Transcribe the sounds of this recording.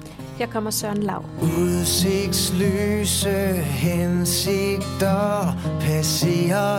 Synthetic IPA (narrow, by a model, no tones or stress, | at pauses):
hæɐ̰kʰɒm̰ɐsɶɐnlɑ̈ʊuðˠseɡ̥̚slyːsəɦenseɡ̥̚d̥ɐpʰæse̝ɐ